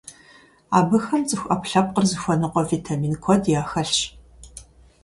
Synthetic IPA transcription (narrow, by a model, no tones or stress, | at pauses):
aːbɨxɐnt͡sʼɨxʷʔɐpɬɐp̚qərzɨxʷɔnɨqʷɔvitʰamiːnkʷʰɔdjaːxɐɬɕ